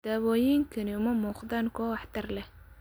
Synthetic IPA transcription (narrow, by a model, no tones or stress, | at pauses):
d̪̥aːβɔːjiːŋkʰɐnɪʊmɐmuːqd̪aːnkʰɔːwɑħt̪ʰɐrlɛ